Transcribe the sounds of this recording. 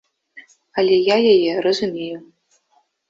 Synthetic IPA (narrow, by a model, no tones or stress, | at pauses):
alʲejajajɛrazumʲeju